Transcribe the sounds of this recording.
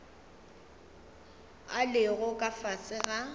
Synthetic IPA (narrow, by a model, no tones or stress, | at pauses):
alɪɣʊkʼafasʼɪɣa